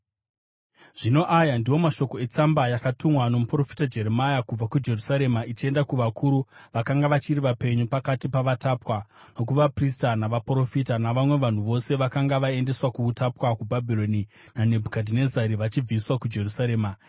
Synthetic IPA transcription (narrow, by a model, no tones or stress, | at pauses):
ʐ̥ino̞ʔajandiwo̞maʃo̞ko̞e̞t͡sambajakatumwano̞mupro̞fi̥tad͡ʒe̞ɾemajakub͡vakud͡ʒe̞rusaɾe̞mait͡ʃie̞ndakuʋakʰuɾuʋakaŋɡaʋat͡ʃiriʋape̞ɲupakatipaʋatapwa | no̞k̬uʋapristanaʋapro̞fitanaʋamwe̞ʋan̤uʋo̞se̞ʋakaŋɡaʋae̞nde̞swakuːtapwakubʱabʱiɾo̞ni | nane̞bʱukadʱine̞zaɾiʋat͡ʃib͡viswakud͡ʒe̞rusaɾe̞ːma